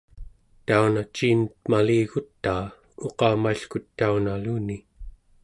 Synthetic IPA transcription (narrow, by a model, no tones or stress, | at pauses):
t̪aunat͡ʃiːnət̪̚maliːɣut̪ːaː | oqɑːmaiɬkut̪ːaunaluːni